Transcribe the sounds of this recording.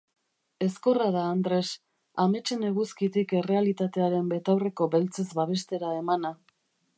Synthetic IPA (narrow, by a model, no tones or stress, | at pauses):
e̞sko̞raðaːnd̪ɾe̞s | ame̞t͡ʃe̞ne̞ɣuskit̪ike̞re̞alit̪at̪e̞aɾe̞mbe̞t̪awre̞ko̞be̞lt͡se̞zβaβ̞e̞st̪e̞ɾae̞mana